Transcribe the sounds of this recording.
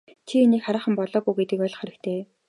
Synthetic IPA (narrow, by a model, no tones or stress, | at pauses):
t͡ɕʰieniːkχaɾaːχə̆mpɔɮɔːɡuːɡet̪ɘ̆kœɮɞ̆χæɾɘ̆kt̪ʰeː